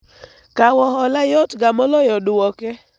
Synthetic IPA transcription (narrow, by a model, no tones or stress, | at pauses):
kawɔɦɔlajɔtɡamɔlɔjɔdʊwɔkɛ